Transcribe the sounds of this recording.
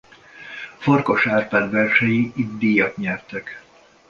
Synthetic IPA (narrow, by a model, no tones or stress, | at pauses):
forko̞ʃaːrpaːd̪ʋɛrʃɛjiʔid̪d̪iːjɒt̪ɲɛrt̪ɛk